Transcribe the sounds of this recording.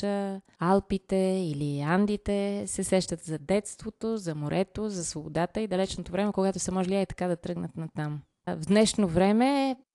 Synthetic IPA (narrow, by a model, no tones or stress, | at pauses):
əalˠpit̪ɛiliand̪it̪ɛsɛsɛʃt̪ət̪zɐd̪ɛt̪st̪vot̪ozɐmoɾʔɛt̪ozɐsvobod̪at̪əid̪ɐlɛt͡ʃnot̪ovɾɛmɛkoɡat̪ʊsɐmɔʒliait̪ɐ̥kad̪ɐt̪ɾɤɡnət̪nɐt̪am | vd̪nɛʃnovɾɛmɛ